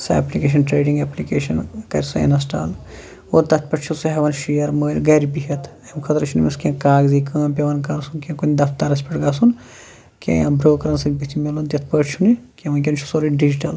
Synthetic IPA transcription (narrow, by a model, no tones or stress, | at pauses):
sḛːplikeːʃ̬ɐnʈɾeːɖiŋɡɐːplikeːʃɐnkɐɾʲsuḛnɐsʈa̰ːl | oːɾt̪ɐt̪̚ʰpɐʈt͡ʃʰusuɦɛʋɐnʃijɐɾməːlʲɡɐɾibiɦɐt̪ʰ | emkʰɐt̪ɾt͡ʃʰunimiskʲẽːkaːɡzikɐ̃ːnpʲeʋɐnkɐɾsunkʲẽkunʲd̪ɐfʰt̪ɐɾɐspɐʈɡɐːsun | kʲḛ̃jãːbɾoːkɐɾɐnsɐk̚bit̪ʰimelunt̪jɐt̪ʰpəʈt͡ʃʰunikʲẽʋɐnkʲɐnt͡ʃʰu̥soːɾiɖid͡ʒiʈɐl